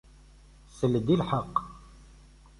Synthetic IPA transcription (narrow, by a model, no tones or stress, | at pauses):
sələd̪ilħəqː